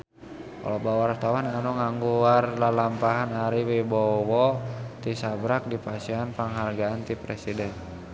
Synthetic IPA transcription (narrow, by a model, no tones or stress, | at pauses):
ka̰lɔbawart̪awananuŋaŋɡuarlalampaɦanaɾiwibɔwɔt̪isabɾak̚dipasianpaŋɦarɡaant̪ipɾɛsidɛn